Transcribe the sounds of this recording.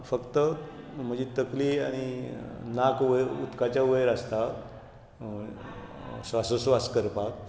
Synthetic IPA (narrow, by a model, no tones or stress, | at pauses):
fəkt̪əm̤əd͡ʑit̪əklia̰ɽ̃inakʋəṵt̪kat͡ɕjaʋəjɾəst̪a | sʋasəsʋaskəɾpak